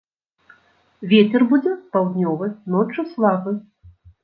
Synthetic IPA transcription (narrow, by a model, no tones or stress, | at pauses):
vʲet͡sʲɛrbud͡zʲɛpawd̪ʲnʲɔvɨnɔt͡ʂɨslˠabɨ